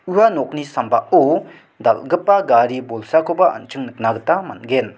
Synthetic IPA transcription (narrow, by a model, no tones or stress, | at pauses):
uanɔk̚nisambaʔu | dalɡɯpːaɡaɾibɔlsakʰobaʔa̰nt͡ʃʰɯŋnɯk̚naɡɯtamanɡen